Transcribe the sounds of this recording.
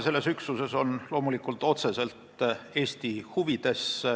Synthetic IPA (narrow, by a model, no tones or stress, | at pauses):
se̞lːe̞syksuse̞so̞nlo̞ːmulikːˑult̪ˑo̞t̪se̞se̞lt̪e̞ːst̪ihuvid̪̥e̞s